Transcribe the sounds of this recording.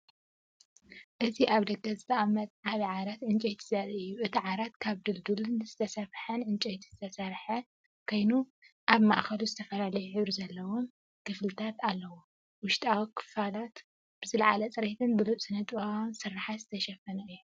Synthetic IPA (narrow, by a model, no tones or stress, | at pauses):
ʔɨziʔaβd̪ɐɡɐzɨt̪ʰɐʔmɐt̪̚ʕaβiʕaɾat̪ʕɨnt͡ʃʼejt̪ʰizazɨjːuʔɨt̪ʰiʕaɾat̪kʰaβd̪ɨld̪ulɨnzɨt̪ʰɐsɐfħɐnʕɨnt͡ʃʼejt̪ʰiz̥ɨt̪ʰɐsɐɾħɐ | kʰo̞jnu | ʔaβma̰ʔxɐluzɨt̪ʰɐfɐlalɐjuħɨβɾizɐlːɐwom | kʰɨflɨt̪ʰat̪alːɐwo | wʊʃt̪ʼawkʰɨ̥falat̪ | b̥ɨzɨlʕalɐt͡sʼɨɾet̪ʰɨnbɨluʔʼsʼɨnɐt̪ʼβawnsɨrːaħazɨt̪ʰɐʃɐfɐnɐɨjːu